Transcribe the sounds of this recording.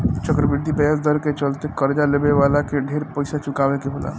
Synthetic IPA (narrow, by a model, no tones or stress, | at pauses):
t͡ʃəkɾəbɪɾd̪ʱipɛasd̪ʱəɾket͡ʃəlt̪ekəɾd͡ʒalebeʋaːlakeɖʱeːɾpəɪsat͡ʃʊkaːʋekeɦola̰ː